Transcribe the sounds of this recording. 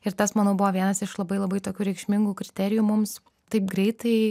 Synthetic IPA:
ɪɾt̪ɐsmɐnɐʊbʊʋoːʋʲiɛnɐsɪʃlˠɐbɐɪlˠɐbɐɪt̪oːkʲuːɾʲɛɪkʃʲmʲɪŋɡuːkɾʲɪt̪ʲɛɾʲɪjuːmʊms | t̪ɐɪp̚ɡɾʲɛɪt̪ɐɪ

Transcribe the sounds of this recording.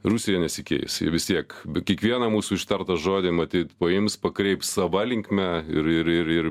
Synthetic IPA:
ruːsʲɪjɛnʲɛsʲɪkʲḛːj̰sjʋʲɪst̪ʲiɛkkʲiɛkʋʲiɛnɐmuːsuːɪʃt̪ɐrt̪ɐʒoːd̪ʲɪmɐt̪ʲiːt̪pɐɪmspɐkɾʲɛɪpsɐʋɑːlʲɪŋkmʲæɪɾɪɾɪɾɪr

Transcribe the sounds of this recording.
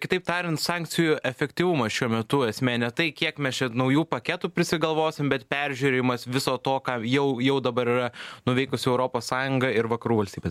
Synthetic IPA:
kʲɪ̥t̪ɐɪp̚t̪ɑːɾʲɪnt̪sɑŋk̪sʲɪjʊʔɛfʲɛkʲt̪ʲiʋʊmɐʃʲuɔmʲɛt̪ʊɐsʲmʲæːnʲɛt̪ɐɪkʲiɛkmʲɛst͡ʃʲɛnɐʊjuːpɐkʲɛt̪uːpʲɾʲɪsʲɪɡɐlˠʋoːsʲɪmbʲɛt̪pʲæɾʲʒʲʉːɾʲejɪmɐsʋʲɪsoːt̪oːkɑjɛʊjɛʊd̪ɐbɐɾɪrɐnʊʋʲɛɪkʊsʲɪɛʊɾoːpoːssɑːjʊŋɡɐɪɾʋɐkɐɾuːʋɐlʲsʲt̪ʲiːbʲes

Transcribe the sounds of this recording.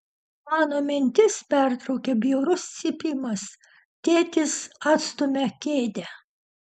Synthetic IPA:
mɑːnoːmʲɪnʲt̪ʲɪspʲæˑɾt̪ɾɐʊkʲɛbʲijɛːɾʊssʲipʲiːmɐs | t̪ʲeːt̪ʲɪsɑːt̪st̪ʊmʲɛkʲeːd̪ʲɛ

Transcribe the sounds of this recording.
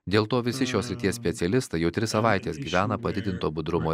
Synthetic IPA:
d̪ʲeːlˠt̪oːʋʲɪsʲɪʃʲoːsʲɾʲɪt̪ʲiɛssʲpʲɛt̪sʲɛlʲɪst̪ɐɪjɛʊt̪ʲɾʲɪssɐʋɑˑɪt̪ʲeːsɡʲiːʋʲæːnɐpɐd̪ʲɪd̪ʲɪnt̪oːbʊd̪ɾʊmoː

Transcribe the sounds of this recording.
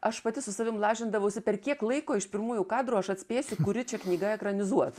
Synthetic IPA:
ɐʃpɐt̪ʲɪsʊsɐʋʲɪmlˠɑːʒʲɪnd̪ɐʋɐʊsʲɪpʲɛrkʲiɛklˠɐɪkoːɪʃpʲɪɾmuːjʊkɑːd̪ɾuɐʃɐt̪ʲsʲpʲeːsʲɪkʊɾʲɪt͡ʃʲɛknʲiːɡɐɛkɾɐnʲɪzuɔt̪

